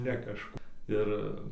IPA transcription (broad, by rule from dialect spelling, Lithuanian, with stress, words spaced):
nʲɛ kɐʃˈkʊ ˈɪr